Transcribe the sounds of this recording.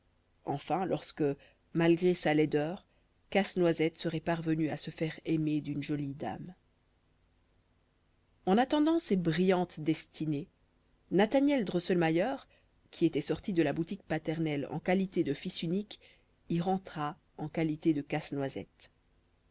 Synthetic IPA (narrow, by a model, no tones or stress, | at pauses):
ɑ̰̃fɛ̃lʔɔʁskə | malɡʁesalɛd̪œːʁ | kasnwazɛt̪səʁɛpaʁvənyasəfɛʁɛmed̪ynʒɔlid̪a̰m | ɑ̃nat̪ɑ̃d̪ɑ̃sebʁijɑ̃t̪d̪ɛst̪ʰine | nat̪anjɛld̪ʁosɔlmajœʁ | kʲʰiet̪ɛsɔʁt̪id̪əlabut̪ik̚pat̪ɛʁnɛlɑ̰̃kalit̪ed̪əfisynik | iʁɑ̃t̪χa | ɑ̃kalit̪ed̪əkasnwazɛ̰t̪